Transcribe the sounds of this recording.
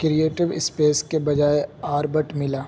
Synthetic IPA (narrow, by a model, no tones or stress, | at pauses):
kɾieːʈɪʋɪspeːskebɐd͡ʒaːeaːɾbəʈmɪlaː